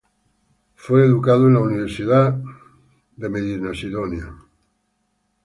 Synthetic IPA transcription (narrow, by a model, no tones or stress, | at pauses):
fweeðukaðoenauniβ̞eɾsiða | ðemeðinasiðonja